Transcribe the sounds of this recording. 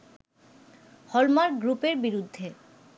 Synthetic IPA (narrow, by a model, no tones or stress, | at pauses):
hɔlmaɾɡɾupeɾbiɾud̪ʱːe